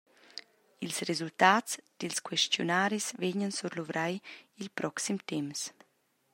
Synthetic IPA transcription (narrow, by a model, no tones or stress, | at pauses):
ilsrezult̪aːt̪t͡sd̪̥ilskwɛstjonaːɾisveɲənsuɾluvɾʔajilpɾʔɔksimt̪ɛms